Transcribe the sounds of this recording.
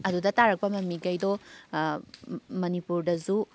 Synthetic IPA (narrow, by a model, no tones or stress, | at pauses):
ɐdudɐtaɾɐk̚pɐmɐmːiɡɐjdo | mɐnipuɾdɐzu